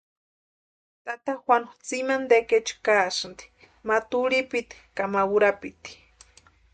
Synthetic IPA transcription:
t̪at̪axwanu̥t͡simand̪eket͡ʃu̥kasɨnd̪i̥ | mat̪uɺipit̪i̥kamawuɾapit̪i̥

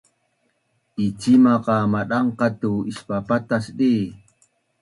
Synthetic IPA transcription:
ʔit͡ʃimaqɑmaɗɑɴqɑt̪uiʃpapat̪asɗiː

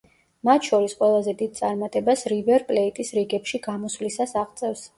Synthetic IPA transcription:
mat̪ʰʃɔɾisqʼwɛlˠazɛd̪id̪̚t̪sʼaɾmat̪ʼɛbasɾivɛɾpʼlɛit̪ʼisɾiɡɛpʃiɡamɔslisasaʁt̪sʼɛfs

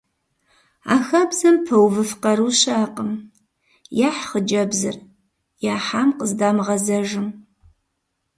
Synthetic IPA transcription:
a̰ːxɐbzɐmpʰɐwvɨfqɐɾuɕaːqəm | jaːħχəd͡ʒɐbzɨ̰r | jaːħaːmqəzdaːmʁɐzɐʒɨm

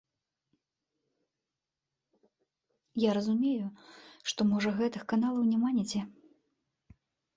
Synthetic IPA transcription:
jaɾɐzumʲejuʂt̪ɔmɔʐɐɣɛt̪ɨxkanalˠɐwnʲɛmanʲɛt͡sʲɛ

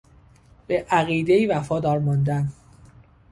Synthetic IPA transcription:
b̥eʔæɣiːd̪eiːvæfɒːd̪ɒːɾmɒnd̪æn

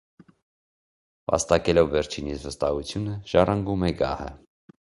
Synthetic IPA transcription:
vɑ̰st̪ɑkɛlɔvːɛɾt͡ʃʰinit͡svəst̪ɑhut͡sʰjunəʒ̥ɑrɑŋɡumɛɡɑ̰hə̰

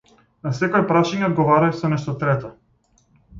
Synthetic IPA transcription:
nasɛkojpɾaʃaɲɛod̪ɡɔvaɾajsɔnɛʃt̪ɔt̪ɾɛt̪ɔ

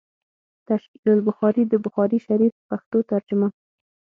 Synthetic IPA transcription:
t̪aʃkilʊlbʊxɑɾid̪əbʊxɑɾiʃaɾifpaxt̪ot̪aɾd͡ʒʊma

